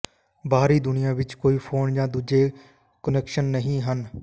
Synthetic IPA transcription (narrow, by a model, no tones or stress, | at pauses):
baːɾiːd̪ʊnɪjãːʋɪt͡ʃkoːiːpʰoːnd͡ʒãːd̪uːd͡ʒeː | kənɛːkʃənːəɦĩːɦən